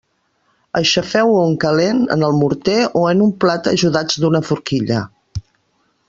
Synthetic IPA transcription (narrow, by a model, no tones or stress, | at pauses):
əʃəfɛwuŋkəlenə̰nəlˠmuɾt̪eoənumplat̪ə̰ʒuðad͡zd̪unəfuɾkiʎə̰